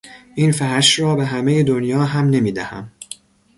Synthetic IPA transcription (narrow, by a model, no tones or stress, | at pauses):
ʔinfæɦæʃɾɒːbeɦæmejed̪onjɒːɦæmne̞miːd̪æhæ̰m